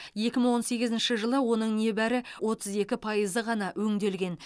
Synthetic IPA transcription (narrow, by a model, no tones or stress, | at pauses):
je̞kʲɪməɴwo̞nse̞ɡʲɪzɪnʃɪʒəlˠəwo̞nəɴne̞bæɾɪwʔo̞t̪ʰəze̞kʲɪpʰɑjəzəʁɑnɑwɵŋd̪e̞lɡʲe̞n